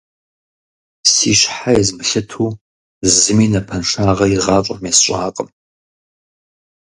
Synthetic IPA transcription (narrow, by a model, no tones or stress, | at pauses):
siːɕħajɛzmɨɬɨtʰuː | zɨmiːnɐpʰɐnʂaːʁɐjiʁɑːt͡ʃʼɐmesɕʷʼaːqʼəm